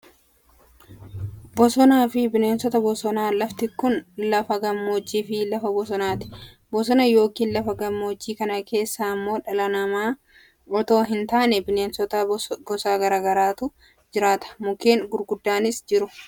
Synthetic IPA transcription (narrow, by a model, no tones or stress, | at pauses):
bɔsɔnaːfɪbɪne̞ːnsɔt̪ɐbɔsɔnaːlɐft̪ɪkʊnlɐfɐɡɐmːo̞ːd͡ʒːiːfɪlɐfɐbɔsɔnaːt̪ɪ̥ | bɔs̬ɔnɐjo̞ːkiːnlɐfɐɡɐmːo̞ːd͡ʒːiːkɐnɐke̞ːsːaːmːo̞ːᶑɐlɐnɐmaː | ɔt̪o̞ːɦɪnt̪aːnɛbɪneːnsɔt̪ɐɡɔsaːɡɐɾaːɡɐɾaːt̪ʊ | d͡ʒɪɾaːt̪ɐ̥mʊke̞ːŋɡʊɾɡʊd̪ːaːnɪsd͡ʒɪɾʊ